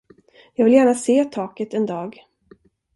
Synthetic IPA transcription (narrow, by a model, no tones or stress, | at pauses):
jɑːɡvɪljæːɳaseːt̪ʰɑːkət̪ɛnd̪ɑːɡ